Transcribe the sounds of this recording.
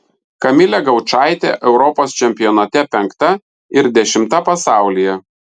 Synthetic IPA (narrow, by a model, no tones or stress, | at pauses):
kɐmʲɪlʲɛɡɐʊt͡ʃɑˑɪt̪ʲḛːʔɛʊɾɔpoːst͡ʃʲɛmʲpʲɪjɔnɐt̪ʲɛpʲɛŋkt̪ɐ | ɪɾd̪ʲɛʃʲɪmt̪ɐpɐsɑˑʊlʲɪjɛ